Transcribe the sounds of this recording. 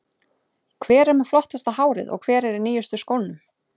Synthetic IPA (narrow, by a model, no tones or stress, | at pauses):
kʰvɛːɾɛɾmɛ̥flɔht̪ast̪ahaːwɾɪ̰ðɔ̰ɣkʰv̥ɛːɾɛɾɪniːjʏst̪ʏskownʏm